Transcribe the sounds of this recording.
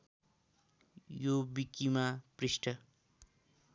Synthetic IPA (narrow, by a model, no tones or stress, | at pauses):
jobikːimaprisʈʰʌ